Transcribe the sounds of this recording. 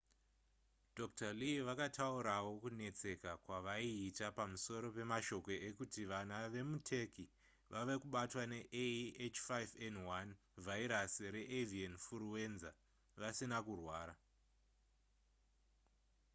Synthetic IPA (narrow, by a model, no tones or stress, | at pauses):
dʱoktaliʋakatʰauɾawo̞kune̞t͡se̞kakwaʋaiːtapamuso̞ɾo̞pe̞maʃo̞ko̞ekutiʋanaʋe̞mutʰe̞ki | ʋʔaʋe̞kuɓatwane̞ʔeet͡ʃfajvenwan | vʱaiɾasiɾe̞ʔevienfuɾuwe̞nza | ʋasinakurwaːɾa